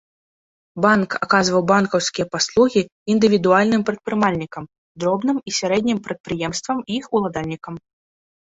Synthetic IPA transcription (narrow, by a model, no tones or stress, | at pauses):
banka̰kazvɐwbankɐwskʲijɐpaslˠuɣʲiː | nd̪ɨvʲid̪ualʲnɨmpɾɐt̪̚pɾɨmalʲnʲikɐm | d̪ɾɔbnɨmisʲaɾɛd̪ʲnʲimpɾɐt̪̚pɾɨjɛmst̪vɐmiixulˠad̪alʲnʲikɐm